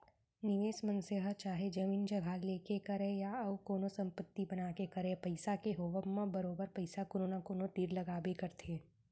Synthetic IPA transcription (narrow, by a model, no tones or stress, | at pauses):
nɪʋeːʃmə̃nseɦət͡ʃaːɦed͡ʒɐmiːnd͡ʒɐɡʱaleːkekɐɾẽjaɐʋkoːnõsɐ̃mpət̪ːibɐnaːkekɐɾẽpɐɪsakeɦoːʋəmːabɐɾoːbəɾpɐɪsakoːɾoːnakoːnõʈ̪iːɾlɐɡaːbekɐɾt̪ʰeː